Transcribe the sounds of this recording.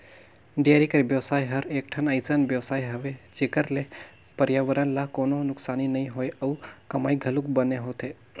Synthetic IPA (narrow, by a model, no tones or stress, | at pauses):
ɖijaɾikəɾbjəwsaːjɦəɾeːk̚ʈʰənajsənbjəʋsaːjɦəʋet͡ʃekəɾle | pəɾjaʋəɾənlakoːnonʊksaːninɐĩɦojəukɐmaːjɡʱəlukbəneɦot̪ʰe